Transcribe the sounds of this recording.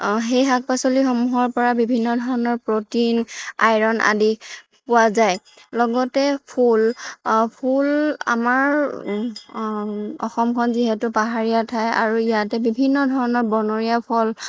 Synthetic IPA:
xejɦak̚pasolixomuɦɔɹpɔɹabibʱinːɔdʱɔɹɔnɔɹpɹotina̰jɹɔnʔa̰di | pʊwazaj | lɔɡɔtɛpʰulpʰula̰maɹ | ɔ̰xɔmkʰɔnziɦɛtʊpaɦaɹijatʰaja̰ɹuijatɛbibʱinːɔdʱɔɹɔnɔɹbɔnoɹiapʰɔl

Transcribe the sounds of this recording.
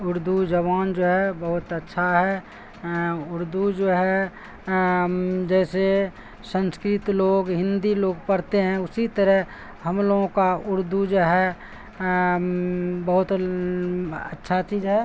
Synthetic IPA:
ʊɾd̪ʱud͡ʒəβaːnd͡ʒoːɦɛbəɦʊt̪ətːʃʰaɦɛ | ʊɾd̪ʱud͡ʒoːɦɛ | d͡ʒɛːse | sə̃nskɾɪt̪loːɡɦɪ̃nd̪iloːɡpəɾt̪eɦɛ̃ʊsit̪əɾɛɦ | həmloːɡõkaʊɾd̪ʱud͡ʒoːɦɛ | bəɦʊt̪ | ətːʃʰat͡ʃiːzɦɛː

